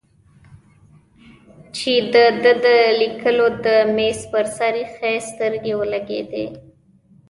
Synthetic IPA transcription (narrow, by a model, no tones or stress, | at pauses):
t͡ʃed̪əd̪əd̪əlikʰəlod̪əmespəɾsaɾixest̪əɾɡewəlaɡḛd̪ḛ